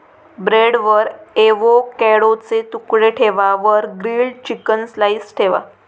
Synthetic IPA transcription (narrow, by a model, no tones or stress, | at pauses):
bɾeɽʋəɾeʋokɛɽot͡set̪ukɽeʈʰeʋaʋəɾɡɾilɖt͡ɕikənslaisʈʰeʋa̰